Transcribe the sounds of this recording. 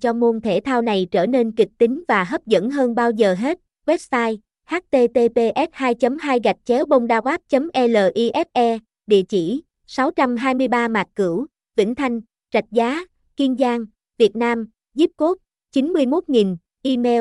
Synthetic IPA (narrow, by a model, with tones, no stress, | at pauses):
t͡ɕɔ˧mo˧nt̪ʰe˧˩t̪ʰaː˧wna˨˩jt͡ɕəː˧˩ne˧nkï˨˩k̚t̪ï˨˦ŋ̟vaː˨˩ɦə˦˥p̚zə̰˧˥nɦəː˧nɓaː˧wzəː˨˩ɦe˦˥t̚ | wɛ˦˥p̚saː˧j | haː˦˥t̚t̪e˧t̪e˧pe˧ʔɛ˦˥t̚haː˧jt͡ɕə˨˦mɦaː˧jɣa˨˩jk̟̚t͡ɕɛ˨˦wɓə˧wŋ͡mɗaː˧ɣaː˦˥p̚t͡ɕə˨˦mʔɛ˧ləː˨˩ʔi˧ʔɛ˦˥t̚ʔɛ˧ | ɗḭ˧˨ət͡ɕi˧˩ | sa˨˦wt͡ɕa˧mɦaː˧jmɨ˧əjɓaː˧maː˨˩t̚kɨ˧˩əw | vḭ˧˥ŋ̟t̪ʰa˧jŋ̟ | t͡ɕa˨˩jk̟̚zaː˨˦ | ki˧ənzaː˧ŋ | vi˨˩ət̚naː˧m | zi˦˥p̚ko˦˥p̚ | t͡ɕi˨˦nmɨ˧əjmo˦˥t̚ŋi˨˩n | ʔi˧mɛ˧